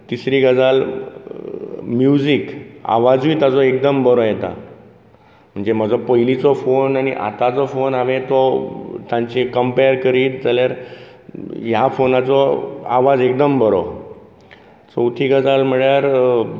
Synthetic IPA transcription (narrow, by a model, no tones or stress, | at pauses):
t̪isɾiɡəd͡zal | mjud͡zika̰ʋad͡zʋiːt̪ad͡zɔek̚d̪əmbəɾɔjɛt̪a̰ | m̤əɳd͡zeməd͡zɔpəɦilit͡sɔfonañḭʔa̰t̪at͡sɔfonaʋẽt̪ɔt̪ãɲt͡ɕekəmpejəɾkəɾiːt̪d͡zaljaɾ | jafonat͡sɔa̰ʋad͡zek̚d̪əmbəɾɔ̰ | t͡səwt̪ʰiɡəd͡zalm̤əɭjaɾ